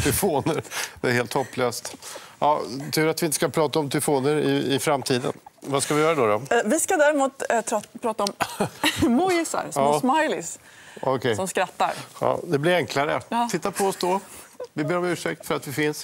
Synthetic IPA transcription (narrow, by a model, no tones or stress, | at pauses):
t̪ʰɛlfoːnəɾd̪ɛæɾheːlt̪hɔpːløːst̪ʔɑːt̪ʰʉ̟ːɾat̪vɪnt̪ə̥skapʰɾɑːt̪aɔmt̪ʰɛlɛfoːnəɾɪɪfɾamt̪ʰiːd̪ə̰nvaskavɪjœːɾad̪ɔd̪ɔvɪskad̪æːɾɪmuːt̪pʰɾɑːt̪aɔm | mɔjɪsa̰ɾsɔmɑːsmajlɪs | ɔkʰɛsɔmskɾat̪ːa̰ɾɑ̰ːd̪ɛblɪɾɛŋkʰlaɾə̰t̪ʰɪt̪ːapʰɔɔsd̪ɔ | vɪbeːɾɔmʉ̟ːʂɛk̚t̪fœɾat̪vɪfɪns